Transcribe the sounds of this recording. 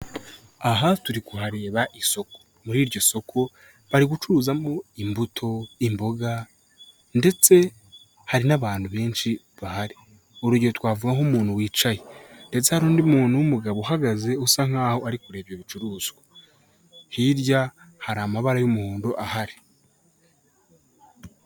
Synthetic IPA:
aɦatuɾikuhaɾe̞ːβaʔiso̞ko̥ | muɾiːɾɟo̞so̞kʰo̞ | βaɾiɡut͡ʃuuːzamo̞imbutʰo̞imbo̞ɡa | nde̞t͡se̞ | haɾinaβaːnhuβe̞ːnʃi | βahaɾi | uɾuɟiot̪waːvuɡaŋumuːn̥huwiːt͡ʃajende̞t͡sehaɾuːndimuːn̥huwumuɡaβohaɡaze̞usaŋ̥aːho̞aɾikuɾe̞ːβjo̞βit͡ʃuɾuːz̥ɡwḁ | hiɾja | haɾamaβaɾajumuhuːndoʔahaɾi̥

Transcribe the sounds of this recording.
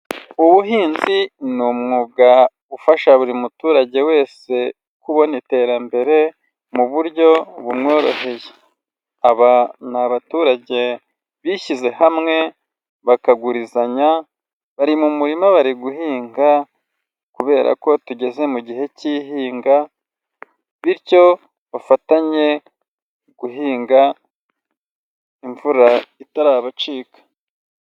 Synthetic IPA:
uβuɦiːnzinumŋuːb̚ɡa | ufaʃaβuɾimutuːɾaɟe̞we̞ːse̞ | kuβo̞nite̞ːɾambe̞ɾe̞ | muβuɾɟo̞βumŋo̞ːɾo̞̰ɦe̞je | aβanaβatuːɾaɟe̞ | βiʃize̞hamŋe̞ | βakaɡuɾizaɲa | βaɾimumuɾimaβaɾiɡuhiːŋɡa | kuβe̞ːɾa̰ko̞tuɟe̞ze̞muɟiɦe̞ciɦiːŋɡa | βiɾco̞ | βafataɲe̞ | ɡ̥uɦiːŋɡa | iɱvuɾaitaɾaːβat͡ʃiːkḁ

